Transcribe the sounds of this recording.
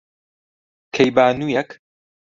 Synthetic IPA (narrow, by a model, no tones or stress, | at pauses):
kʰejbaːnuːjɛk